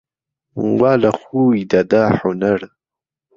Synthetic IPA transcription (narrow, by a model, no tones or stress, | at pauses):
waːlaxuːjd̪ad̪aːħunaɽ